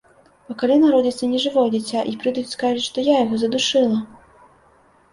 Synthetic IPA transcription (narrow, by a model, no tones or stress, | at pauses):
ɐkalʲinaɾɔd͡zʲit̪sɐnʲɛʐɨvɔjd͡zʲit͡sʲːaʔipɾɨd̪ujʲuskaʐɐt͡sʲʂt̪ɔjajɐɣɔzɐd̪uʂɨlˠɐ